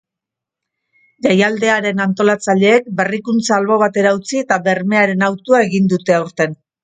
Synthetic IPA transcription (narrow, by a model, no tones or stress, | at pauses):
ʝajald̪eaɾe̞nant̪o̞lat͡saʎe̞ːk̚be̞rikunt͡saːlβo̞β̞at̪e̞ɾaut͡sie̞t̪aβe̞ɾme̞aɾe̞nawt̪uae̞ɣind̪ut̪e̞awɾt̪e̞n